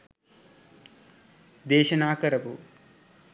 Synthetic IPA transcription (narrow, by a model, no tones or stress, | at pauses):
d̪eːʃɐnaːkɐɾɐpṵ